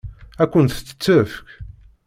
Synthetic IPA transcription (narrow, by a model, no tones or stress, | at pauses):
ækʷːənt̪ə̥t͡sːə̥t͡sːəfk